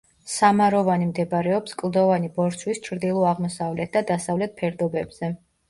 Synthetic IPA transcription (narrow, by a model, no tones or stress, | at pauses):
samaɾɔvanimd̪ɛbɾɛɔpskʼlˠd̪ɔvanibɔɾt̪sʰwist͡ʃʰɾd̪ilˠɔaʁmɔsavlɛt̪̚d̪ad̪asavlɛt̪̚pʰɛɾd̪ɔbɛbz̥ɛ